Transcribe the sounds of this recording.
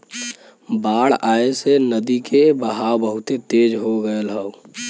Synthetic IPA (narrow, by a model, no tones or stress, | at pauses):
baːɽaːesenəd̪ikebəɦawbəɦʊt̪et̪eːd͡ʒɦoɡəelɦəu